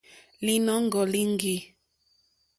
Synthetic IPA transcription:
li˦nɔ˦ŋ˦ɡɔ˨li˦ŋɡi˨

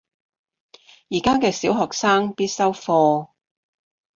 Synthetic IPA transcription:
jiː˨˩kaː˥kɛː˧siː˨˥wɦɔː˨k̚saː˥ŋpiː˥t̚sɐ˥wfɔː˧

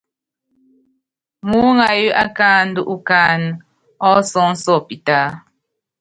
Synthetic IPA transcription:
mu˦ŋa˨ji˦ʔa˦kaː˦n˦du˦ʔu˦kaː˦n˦ | ɔ˦sɔ˦ŋ̩˦sɔ˦˨pi˨ta˦

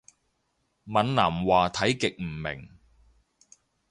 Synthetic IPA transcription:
mɐ˨˥nnaː˨˩mwaː˨t̪ʰɐ˨˥jkɪ˨k̚m̩˨˩mɪ̰˨˩ŋ

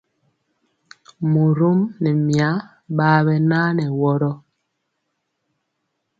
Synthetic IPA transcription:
mu˨ɾu˦mnɛ˨mja˨˦ | ɓaː˦bɛ˦naː˦nɛ˨wɔ˦ɾɔ˦

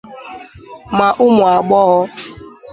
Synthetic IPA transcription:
ma˨ʔʊ˦mʊ˨a˨ɡ͡bɔ˦ɣɔ˦

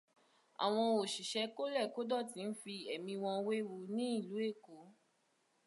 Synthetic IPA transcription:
a̰˨w̃ɔ̃˧o˨ʃi˨ʃɛ˧˦ko˦lɛ˦˨ko˦dɔ˦˨ti˨˧˦n̩˦fi˧ɛ˨mĩ˧w̃ɔ̃˧we˦wu˨˦nĩ˦i˦˨lu˨˦e˦˨ko˨˦

